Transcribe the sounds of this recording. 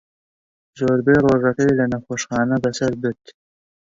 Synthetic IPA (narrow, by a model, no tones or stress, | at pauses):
zoːɾbeɾoʐakajlanaxoʂχɑːnad̪asaɾb̪ɪt̪